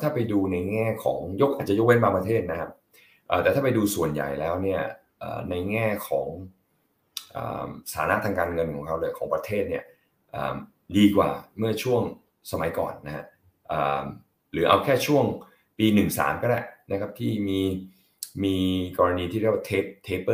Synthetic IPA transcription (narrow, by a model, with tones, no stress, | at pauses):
t̪ʰaː˥˩pa˧jduː˧na˧jŋɛː˥˩kʰɔ̰ː˩˦ŋjo˦˥k̚ʔaː˨˩t͡ɕa˨˩jo˥k̚we˦˥nbaː˧ŋpɾa˧t̪ʰeː˥˩t̪̚na˦˥kʰa˦˥p̚ | ʔəː˨˩t̪ɛː˨˩t̪ʰaː˥˩pa˧jduː˧su˨˩ənja̰˨˩jlɛː˦˥wni˥˩ɐ | ʔə̰ː˨˩na˧jŋɛː˥˩kʰɔː˩˦ŋ | ʔə̰ː˨˩msʰa̰ː˩˦na˦˥t̪ʰaː˧ŋkaː˧nŋɤ˧nkʰɔː˩˦ŋkʰa˦˥wlɯː˧˩jkʰɔː˩˦ŋpɾa˧t̪ʰeː˥˩t̪̚ni˥˩ɐ | ʔə̰ː˨˩m | diː˧kwa̰ː˨˩mɯ˥˩ɐt͡ɕʰu˥˩əŋ | sa˧ma˨˦jkɔ̰ː˨˩nːa˦˥ha˦˥ʔ | ʔə̰ː˨˩m | ɾɯː˩˦˥ʔa̰˧wkʰɛː˥˩t͡ɕʰu˥˩əŋ | piː˧nɯ˨˩ŋsa̰ː˩˦mkɔː˥˩lɛ̰˧˩na˦˥kʰa˦˥p̚t̪ʰiː˥˩miː˧ | miː˧kɔː˧a˧niː˧t̪ʰiː˦˥˩ɾa˥˩tʰeː˦˥p̚t̪ʰeː˦˥pː